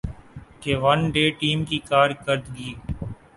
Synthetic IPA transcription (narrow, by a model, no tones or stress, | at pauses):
keːʋɐnɖeːʈiːmkiːkaːɾkəɾd̪ɡiː